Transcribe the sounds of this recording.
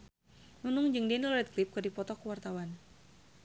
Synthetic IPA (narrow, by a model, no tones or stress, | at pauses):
nunʊŋd͡ʒɨŋdɛnlɔɾɛt̪̚klɪp̚kɨrdipɔt̪ɔkuwart̪awan